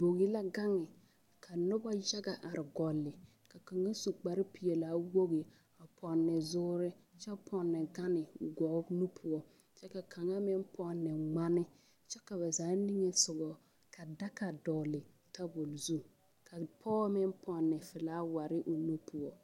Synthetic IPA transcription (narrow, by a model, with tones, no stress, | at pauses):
bo˨ɡi˦la˦ɡa˦ŋɪ˨ | kʰa˨nʊ˦ba˦d͡ʒa˦ɡa˨ʔa˨ɾɪ˨ɡɔ˨lːɪ˨ | ka˨ka˨ŋa˦su˨k͡pa˨ɾɪ˦pi˨jɛ˨laː˨˦wo˦ɡi˨ | a˨pʰɔ˨nːɛ˨zʊː˦ɾɪ˦ | t͡ʃɛ˦pʰɔ˨nːɛ˨ɡa˦nɪ˨ʊ̰˨ɡɔ˨˦nu˦pʰʊ˨ɔ˨ | t͡ʃɛ˦ka˨kʰa˨ŋa˦mɪ˦npɔ˦nːɛ˨ŋ͡ma˦nɪ˦ | t͡ʃɛ˦ka˨ba˨zaː˨˦ni˦ŋe˦sʊ˨ɡɔ˨ | kʰa˨da˦ka˨dɔ˨lɪ˨ | ta˦bo˨lzu˦ | kʰa˨pʰɔː˦mɪ˦npʰɔ˨nːɛ˨fɪ˨laː˦wa˨ɾɪ˦ʔʊ˨nu˦pʰu˨ɔ˨